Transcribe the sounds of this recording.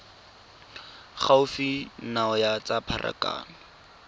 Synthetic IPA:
χaʊfinaɔjat͡sapʰarʔa̰ka̰ːnɔ

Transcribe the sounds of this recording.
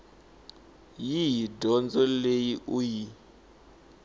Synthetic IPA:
jijidʱɔnd͡zɔlejiʔuji

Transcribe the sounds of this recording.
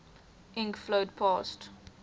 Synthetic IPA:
ʔɪ̃ŋkflodpʰɑːst

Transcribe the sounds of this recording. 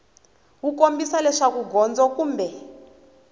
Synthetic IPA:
wukombisalɛʂakuɡʱɔnd͡zɔkuːmbɛ

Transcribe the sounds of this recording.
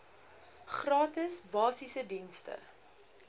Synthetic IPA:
χrɑːtəsbɑːsisədinstə̰

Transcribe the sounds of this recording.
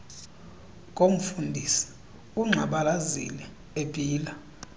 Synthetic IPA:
kʼom̩fundʱisi̥ | uŋ͡ǁʱaɓalazḭlɛ | ebʼʱiːla

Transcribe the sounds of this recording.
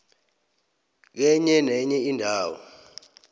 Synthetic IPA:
k̬ɛɲɛnɛɲɛindʱaːwɔ̰

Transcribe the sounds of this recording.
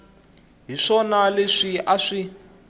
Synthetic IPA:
ɦiʂɔnaleʂiʔaʂi

